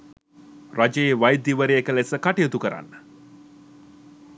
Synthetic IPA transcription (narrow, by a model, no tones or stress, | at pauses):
rad͡ʒeːʋajd̪iʋəɾeekəlesəkaʈijət̪ukəɾa̰nːə